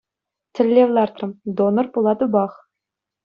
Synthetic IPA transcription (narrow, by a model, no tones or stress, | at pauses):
t̪ʲʰɘ̆lʲːeʋlʲˠɑrt̪rɤ̆md̪onɤ̆rpulˠɑt̪ubɑχ